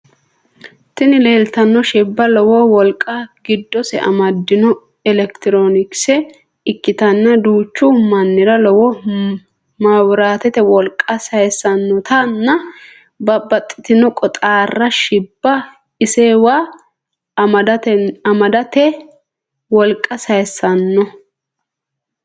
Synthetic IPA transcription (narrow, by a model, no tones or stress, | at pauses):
t̪ɪnɪle̞ːlt̪ɐnːɔʃɪbːɐlɔwɔwɔlkʼːɐɡɪd̪ːɔsɛ̰ʔɐ̰mɐd̪ːɪnɔ | ɛlɛkt̪ɪɾoːnɪksɛ | ɪkːɪt̪ɐnːɐd̪uːt͡ʃːumɐnːɪɾɐlɔwɔ | mawɾaːt̪ɛt̪ɛwɔlkʼːɐsɐjsːɐnːɔt̪ɐnːɐ | bɐbɐt̪ʼːɪ̥t̪ɪnɔkʼɔt̪ʼaːrːɐʃɪbːɐ | ɪsewaː | ɐɐmɐd̪ɐt̪ɛ | wɔlkʼːɐsɐjsːɐnːɔ